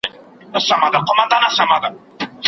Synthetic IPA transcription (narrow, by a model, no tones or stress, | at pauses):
nasamad̪akomãnd̪anasamad̪a